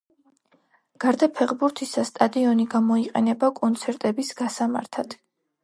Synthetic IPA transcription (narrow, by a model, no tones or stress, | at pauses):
ɡ̥aɾd̪apʰɛʁbuɾt̪ʰisast̪ʼad̪iɔniɡamɔiqʼɛnɛbakʼɔnt̪sʰɛɾt̪ʼɛbisɡ̥asama̰ɾt̪ʰad̪̥